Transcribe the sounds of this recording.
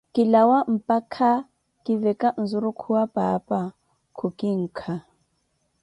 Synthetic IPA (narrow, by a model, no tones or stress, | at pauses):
kʼɪlawam̩pʼakʰa | kʼɪvɛkʼan̩zʊɾukʰuwapʼapʼa | kʰʊkʼɪŋ̩ːkʰa